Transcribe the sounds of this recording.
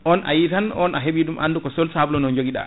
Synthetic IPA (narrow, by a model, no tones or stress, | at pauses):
ʔɔnʔa̰jitanɔnaɦeɓidumʔa̰ndukɔsɔlsablɔnɔnd͡ʒoɡiɗa̰